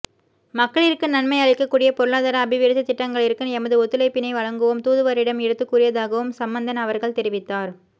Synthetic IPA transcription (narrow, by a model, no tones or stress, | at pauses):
mɐkːɐɭɪɾɯkːɯnɐnmɐɪɐɭɐɪkːɐkːuːɽɪjɐpɔɾɯɭaːðaːɾɐːbɪʋɪɾɪsɐt̪ːɪʈːɐŋɡɐɭɪɾɯkːɯnɛmɐðɯɔt̪ːɯlɐɪpːɪnɐɪʋɐɻɐŋɡɯʋɯmt̪uːðɯʋɐɾɪɽɐmɛɽɯt̪ːɯkːuːɾɪjɐðaːɣɐʋɯmsɐmbɐnd̪ɐnɐʋɐɾɣɐɭt̪ɛɾɪʋɪt̪ːaːɾ